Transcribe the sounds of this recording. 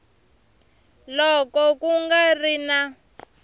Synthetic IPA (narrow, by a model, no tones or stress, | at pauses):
lɔkɔkuŋɡarina